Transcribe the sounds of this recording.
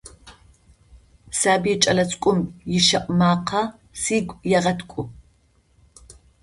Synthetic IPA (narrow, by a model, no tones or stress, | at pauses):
saːbiɛt͡ʃʼɐlɐt͡sʼkʷʼʊmjɪʃɐʔʷʼmaːqʰɐ | siːɡʷjɛʁɐtʰkʷʼʊ